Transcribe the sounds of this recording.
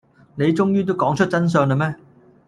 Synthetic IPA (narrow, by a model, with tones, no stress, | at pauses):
ne˨˧jt͡sʊ˥ŋjyː˥t̪o˥wkɔː˨˥ŋt͡ʃʰɵ˥t̚t͡sɐ˥ns̬œː˧ŋlɐ˧mɛː˥